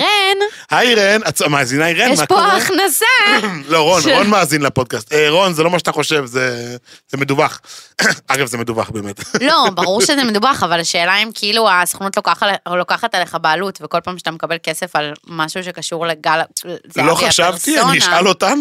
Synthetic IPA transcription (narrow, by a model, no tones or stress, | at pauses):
ʁen | haiʁenaamaːzinaiʁejemapoaχnasaloʁononmaːzinlepo̞d̪̚kast̪eʁo̞nzelomaʃat̪aχo̞ʃe̞vzez̥emed̪ubaχ | aɡafzemed̪ubaχbeːmet̪lo̞baʁuʁʃezemed̪ubaχavalaʃe̞ːlaimkʰiiluasḁχonut̪lokalokaχat̪aleχabeːlut̪veko̞lpaːmʃat̪amekabe̞lke̞sefalmaʃuʃ̬e̞kaʃuʁleɡalzloχaaʃavt̪iaoiʃalot̪am